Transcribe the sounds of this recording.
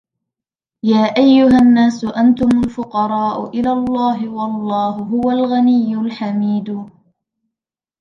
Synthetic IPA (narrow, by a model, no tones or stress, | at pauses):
jaːʔajːʊɦanːaːsʊʔant̪ʊmʊlfʊqɑɾˤɑːʔʊʔɪlalˤːɑːɦɪwɑlˤːɑːhʊɦʊwalɣanɪjːʊlħamiːd̪ʊ